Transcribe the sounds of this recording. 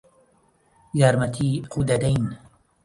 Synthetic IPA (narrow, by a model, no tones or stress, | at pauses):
jaːɾmɐt̪ʰiːquːd̪ɐd̪ajn